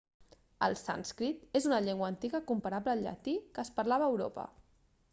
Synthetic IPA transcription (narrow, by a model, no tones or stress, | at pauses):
ə̰lˠsa̰nskɾit̪ezunəʎeŋɡwəːnt̪iɣəkumpəɾabləːlʎə̰t̪ikəːspəɾlaβəːwɾo̰pə̰